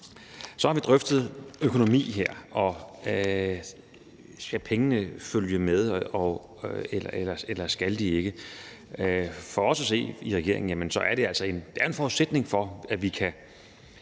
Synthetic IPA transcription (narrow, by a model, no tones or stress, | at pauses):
sɒ̽hɑ̈ʋid̥ʁœfd̥ð̩ˠøkʰo̝no̝mḭːɦeɐ̰ɒ̽ | sɡ̥æpʰeŋənəføljəmeð̞ˠɒ | elɐelɐselɐsɡ̥æld̥ie̝ɡ̥ə | fɒɒ̽sæse̝̰ːiʁɛɡ̥e̝ɐ̰e̝ŋn̩jæmənsɒ̽ʔæɐɾ̥e̝ælsɐe̝nd̥eæɐe̝nfɒːuðˠsed̥ne̝ŋfɒ̽æʋikʰæ